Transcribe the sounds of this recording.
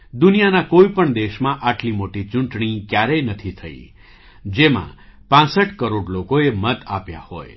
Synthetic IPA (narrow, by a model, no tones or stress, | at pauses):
d̪unijanakoipəɳd̪eʃmãʔaʈlimoʈit͡ʃũɳʈɳ̃ikjaɾenət̪ʰit̪ʰəḭ | d͡ʒemã̰pãsəʈkəɾoɖlokoemət̪apja̰ho̰j